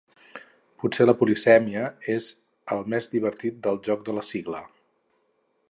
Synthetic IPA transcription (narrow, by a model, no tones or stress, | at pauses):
putseləpulisɛmiəez | əlˠmezd̪iβ̞əɾt̪it̪̚d̪əlˠʒɔk̚d̪ələsiɣlə